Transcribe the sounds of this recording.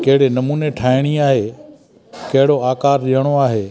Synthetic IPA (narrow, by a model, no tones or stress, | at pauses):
kɐɦɪɽenɐmuːneʈʰaːɪɽ̃iaːɦeː | kɐɦɪɽoaːkaːɾɗijəɽ̃oaːɦeː